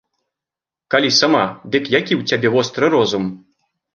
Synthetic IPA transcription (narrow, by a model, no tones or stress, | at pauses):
kalʲisamad̪ɨkjakʲiwt͡sʲabʲɛvɔst̪ɾɨɾɔzum